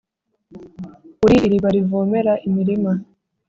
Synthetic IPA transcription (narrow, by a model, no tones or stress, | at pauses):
uɾiʔːɾiβaɾivoːme̞ɾaʔimiɾima